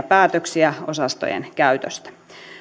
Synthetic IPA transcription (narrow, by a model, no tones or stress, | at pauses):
pæːt̪øksiæo̞sɑst̪o̰jḛnkæyt̪øst̪æ̥